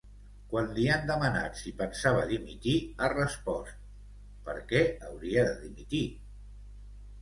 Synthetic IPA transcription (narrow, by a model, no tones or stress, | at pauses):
kwanliand̪əməna̰t̪sipənsaβəðimit̪iərəspɔst̪̚ | pəɾkɛəwɾiəðəðimit̪i